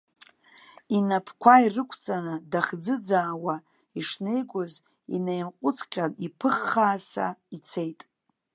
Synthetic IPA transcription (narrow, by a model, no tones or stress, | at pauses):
inapʰkʷʰairɨkʷʰt͡sʼanɨdaχd͡zɨd͡zaːwa | iʂnejɡʷʼʊz | inejmqʷʼʊt͡sʰkʲʰʼanipʰɨχːaːsa̰it͡sʰe̞jtʼ